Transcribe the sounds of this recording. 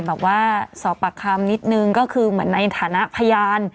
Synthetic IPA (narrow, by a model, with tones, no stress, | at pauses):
bɛː˨˩p̚waː˥˩sɔː˩˦pːa˧kʰa˧mni˦˥t̪̚nɯ˧ŋkɔː˥˩kʰɯː˧mɯ˩˦ənːa˧jt̪ʰaː˩˦na˦˥ʔpʰa˧jaː˧n